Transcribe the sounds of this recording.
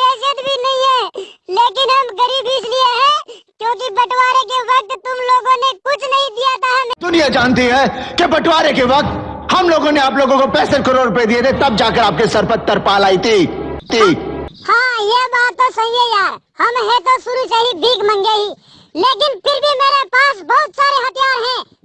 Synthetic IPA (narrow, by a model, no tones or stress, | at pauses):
eːd͡ʒət̪bʱinɐɦĩɦɛːleːkɪnɦɐmɡɐɾiːbiːt͡ʃlieɦɛ̃ːkjõːk̬ibɐʈwaːɾekeʋɐk̚t̪ːʊmloːɡõnekʊt͡ʃʰnɐɦĩd̪ijat̪aɦɛmd̪ʊnijad͡ʒaːnt̪iɦɛkebɐʈwaːɾekeʋɐk̚t̪hɐmloːɡõneaːp̬loːɡõkopɛːsəɾkəɾoːɾɾʊped̪iet̪ʰet̪ɐb̚d͡ʒaːkəɾaːp̚kesɐɾpət̪ːəɾpaːlaːit̪ʰiːt̪iːhãːjebaːt̪ːõsɐɦiɦɛjaːɾ | hɐmɦɛ̃t̪osʊɾut͡ʃaːɦibʱiːkmɐ̃ŋɡeɦiː | leːkɪnpʰɪɾbʱimeːɾepaːsbɐɦʊt̪saːɾeɦɐt̪ijaːɾɦɛ̃ː